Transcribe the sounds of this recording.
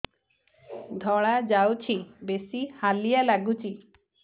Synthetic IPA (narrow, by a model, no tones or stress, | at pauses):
d̪ʱɔɭ̃ad͡ʒawt͡ʃʰibesihalijalaɡut͡ʃʰi